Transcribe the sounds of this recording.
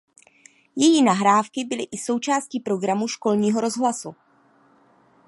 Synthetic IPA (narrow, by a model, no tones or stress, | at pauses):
jɛjiːnaɦɾaːfkɪbɪlɪʔɪso̞wt͡ʃaːsciːpɾo̞ɡɾamuʃko̞lɲiːɦo̞ɾo̞zɦlasu